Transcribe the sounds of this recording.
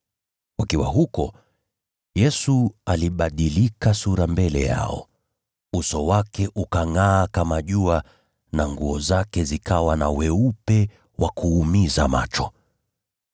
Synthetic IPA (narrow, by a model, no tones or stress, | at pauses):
kwakiwa̰ɦukɔ | jɛsualiɓaɗilikasuɾambɛlɛ̰ja̰ɔ̰ | usɔwakɛʔukaŋaːkamaʄua | naŋɡuɔzakɛzikawanawɛupɛ | wʔakuːmizama̰t͡ʃɔ̥